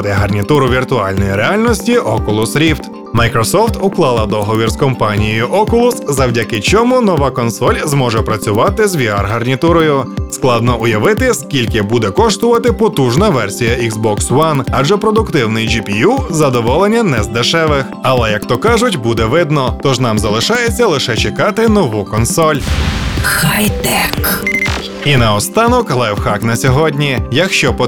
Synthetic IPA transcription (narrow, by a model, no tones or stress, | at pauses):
d̪ɛɦɐrnʲit̪uɾʊʋʲirt̪ʊɑlʲnɔjiɾeɑlʲnɔsʲtʲiɔkʊlˠʊsɾʲift̪ | mɐjkɾɔsɔft̪ʊklˠɑlˠɐd̪ɔɦɔʋʲirskɔmpɑnʲijijʊʔɔkʊlˠʊszɐwdʲɐkɪt͡ʃʲɔmunɔʋɑkɔnsɔlʲzmɔʒɛpɾɐt͡sʲʊʋɑt̪ɪzʋʲiɑrɦɐrnʲit̪uɾɔjʊsklˠɑd̪nɔʔʊjɐʋɪt̪ɪskʲilʲkɪbud̪ɛkɔʂt̪ʊʋɐt̪ɪpɔt̪uʒnɐʋɛrsʲijɐiɡzbɔkswɐnɑd͡ʒɛpɾɔd̪ʊkt̪ɪwnɪjd͡ʒipʲijuzɐd̪ɔʋɔlˠenʲːɐnɛzd̪eʃɛʋɪxɐlˠɛjɐkt̪ɔkɑʒʊtʲbud̪ɛʋɪd̪nɔt̪ɔʒnɑmzɐlˠɪʃɑjet͡sʲːɐlˠɪʃɛt͡ʃekɑt̪ɪnɔʋukɔnsɔlʲ | xajt̪ɛk | inɐɔst̪ɑnɔklˠɛjwxɑknɐsʲɔɦɔdʲnʲijɐkʃt͡ʃɔp